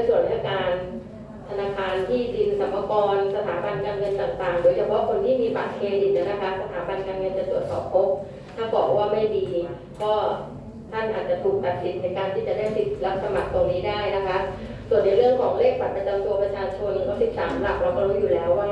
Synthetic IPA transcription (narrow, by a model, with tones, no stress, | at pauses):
su˨˩ənt̪ʰa˧˥˩kaː˧n | t̪ʰa˧naː˧kʰaː˧nt̪ʰiː˥˩di˧nsa˨˩˦mːa˧kɔː˧nsa˧t̪ʰaː˩˦ba˧nkaː˧nŋɤ˧nt̪aː˨˩ŋt̪aː˨˩ŋdoː˧jt͡ɕʰa˧pʰɔ˦˥kʰo˧nt̪ʰiː˥˩miː˧pa̰ː˨˩t̪̚kʰeː˧di˨˩ni˧˥˩na˦˥kʰa˦˥ʔsa˧t̪ʰaː˩˦ba˧nkaː˧nŋɤ˧nt͡ɕa˨˩t̪u˨˩ət̪̚sɔ̰ː˨˩p̚kʰo˦˥p̚ | t̪ʰa˥˩bɔː˨˩k̚waː˥˩ma˥˩jdiː˧ | kɔː˥˩ | t̪ʰa˥˩nʔaː˨˩t̪̚t͡ɕa˨˩t̪ʰuː˨˩k̚t̪a˨˩t̪̚si˨˩n̚he˨˧˦nkaː˧nt̪ʰiː˥˩t͡ɕa˨˩daː˥˩jpi˨˩t̪̚la˦˥p̚sa˧ma̰˨˩k̚t̪o˧ŋniː˦˥daː˥˩jna˦˥kʰa˦˥ʔsu˨˩ənːa˧˩˦ɾɯ˥˩əŋkʰɔː˩˦ŋleː˥˩k̚pʰa˨˩t̪̚pɾa˧t͡ɕa˧mt̪u˧ɐpɾa˧t͡ɕʰaː˧t͡ɕʰo˧n˧kɔː˥˩si˨˩p̚sa̰ː˩˦mla˦˩k̚ɾɛ˧˩kɔː˥˩ɾo˦˥t̪̚juː˨˩lɛː˦˥wa˥˩